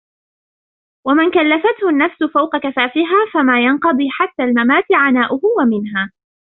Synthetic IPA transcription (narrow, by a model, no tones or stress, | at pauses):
wamɪnkalːafat̪hʊnːafsʊfawqɑkafaːfɪɦaːfamaːjɑnqɑd̪ˤiːħat̪ːaːlmamaːt̪ɪʕanaːʔʊhʊwamɪnɦaː